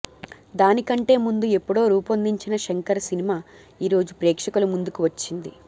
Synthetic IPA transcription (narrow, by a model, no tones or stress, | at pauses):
d̪aːnikɐɳʈe̞ːmund̪ue̞pːuɽo̞ːɾuːpɐnd̪iɲt͡ʃinɐʃɐŋkɐɾɐsinimaː | iːɾo̞ːd͡ʒupɾɛːkʂɐkulumund̪ukuʋɐt͡ʃːind̪i